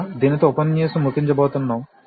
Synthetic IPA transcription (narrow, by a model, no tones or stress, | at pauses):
d̪iːnit̪oːpɐnt͡ʃeːsumukiɲt͡ʃɐbɔːt̪unːaːm